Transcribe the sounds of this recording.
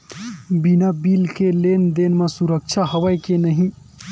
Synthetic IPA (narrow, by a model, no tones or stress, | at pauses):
binabilkelend̪enmesuɾək̚t͡ʃʰaɦəʋəjkenəɦĩ